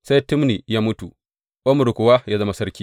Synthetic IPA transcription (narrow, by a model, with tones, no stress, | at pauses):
sa˦jtʊ˦mniː˨jaː˦mʊ˦tu˨ | ʔo˦mʊ˨ɽkʷʊ˨wa˦jaː˦zɐ˦ma˨sɐ˦ɾkʲiː˦